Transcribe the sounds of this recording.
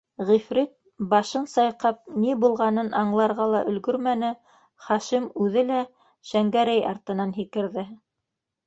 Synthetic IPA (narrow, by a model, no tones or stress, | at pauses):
ʁifɾit̪̚ | bɑʃɤnsɑjqɑp̚nibulˠʁɑnɤnʔɑɴlˠɑɾʁɑlˠɑʔɵ̆lɡɵɾmænɘ | χɑʃimʉðɘlæ | ʃæŋɡæɾæjɑ̰ɾt̪ɤ̆nɑnɦikɘ̆ɾðɘ